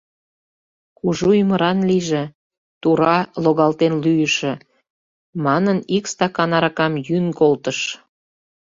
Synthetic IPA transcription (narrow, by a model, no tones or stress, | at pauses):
kuʒujymə̆ɾɑnliʒĕ | t̪uɾɑloɣɑlt̪enlyjəʃĕ | mɑnənikst̪ɑkɑnɑɾɑkɑmjyŋkolt̪əʃ